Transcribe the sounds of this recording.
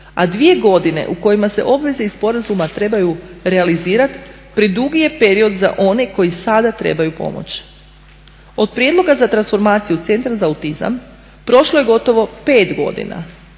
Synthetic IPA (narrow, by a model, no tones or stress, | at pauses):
a̰d̪ʋije̞ɡo̞d̪ine̞̰ʔuko̞jimase̞̰ʔo̞bʋe̞zeispo̞ɾazumat̪ɾe̞bajuɾealiziːɾat̪ | pɾid̪uɡije̞pe̞ɾio̞d̪za̰ʔo̞ne̞ko̞jisad̪at̪ɾe̞̰bajupo̞̰mo̰t͡ɕ | o̞d̪̚pɾje̞d̪lˠo̞ɡazat̪ɾansfo̞ɾmaːt̪sijut̪se̞nt̪ɾazaːut̪iza̰m | pɾo̞ʃlo̞je̞ɡo̞t̪o̞ʋo̞pe̞ːt̪ɡo̞̰d̪ḭna̰